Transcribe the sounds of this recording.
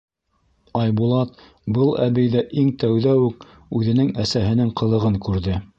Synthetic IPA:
ɑjbulˠɑt̪̚ | bɤlˠæβɘ̆jðæʔiŋt̪æwðæwʉk | ʉðɘ̆nɘŋæsæɦɘ̆nɘŋqɤ̆lˠɤ̆ʁɤŋkʉɾðɘ

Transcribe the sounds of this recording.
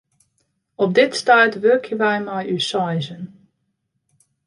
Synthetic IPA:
ɔp̚dɪtstaːtʋøkʰjəʋɛjmajysɔjzən

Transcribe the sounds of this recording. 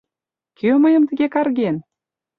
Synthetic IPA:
kʰøməjə̆mt̪ə̆ɣekɑrɣen

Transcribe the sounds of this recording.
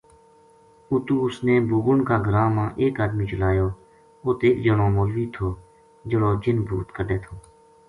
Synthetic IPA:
ʊt̪uːʊsneːbuːɡʊɳkaːɡəɾãːmãːʔeːkaːd̪miːt͡ʃəlaːjoː | oːt̪eːkd͡ʒəɽõːmoːlʋiːt̪ʰoː | d͡ʒəɽoːd͡ʒɪnbʱuːt̪kəɖeːt̪ʰoː

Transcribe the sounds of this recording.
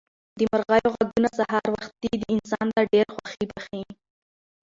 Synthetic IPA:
d̪əmaɾɣajoɣaɡunasaɦɑɾwaxt̪̚d̪id̪əɪnsɑnt̪aɖeɾxwaxibaxi

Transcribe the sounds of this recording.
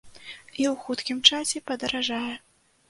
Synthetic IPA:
iwxut̪kʲimt͡ʂasʲɛpɐd̪ɐɾaʐajɛ

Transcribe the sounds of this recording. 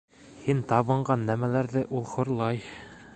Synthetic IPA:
hint̪ɑβɤ̆ɴɢɑnːæmælæɾðɘʔulˠχŏɾlˠɑj

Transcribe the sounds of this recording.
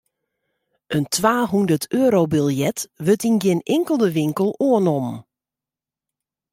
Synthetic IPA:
əntʰʋaːɦundərtʰøəɾobilˠjɛtʋøtinɡjɪnɪŋkəlˠdəʋɪŋkəlˠoənɔm

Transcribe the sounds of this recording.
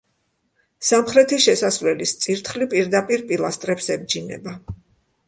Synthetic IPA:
samχɾɛt̪ʰiʃɛsasvlɛlist̪sʼiɾt̪ʰχlipʼiɾd̪apʼiɾpʼilˠast̪ʼɾɛpsɛb̚d͡ʒinɛ̰ba

